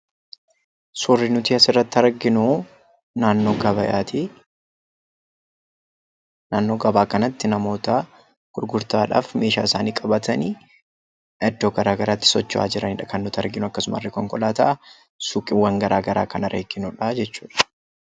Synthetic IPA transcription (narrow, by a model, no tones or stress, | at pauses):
sʊrːɪnʊt̪iːɐsɪrːɐt̪ːɪɐɾɡɪnʊ | naːnːoːɡɐβɐja̰ːt̪i | naːnːo̞ːɡɐbaːkɐnɐt̪ːɪnɐmo̞ːt̪ɐ | ɡ̥ʊɾɡʊɾt̪aːᶑa̰ːfme̞ːʃa̰ːɪsaːniːkʼɐbɐt̪ɐniː | ɐd̪ːoːɡɐɾaːɡɐɾaːt̪ːɪ̥sɔt͡ʃːʊa̰ːd͡ʒɪɾɐnɪᶑɐkɐnːʊt̪ɐɾɡɪnʊɐkːɐsʊmaɐ̰rːɛkɔŋkʼɔlaːt̪ɐʔɐ | sʊkʼɪwɐŋɡɐɾaːɡɐɾa̰ːkɐnɐɾʔeːɡɪnʊᶑɐd͡ʒɛt͡ʃːu̥ːᶑɐ̥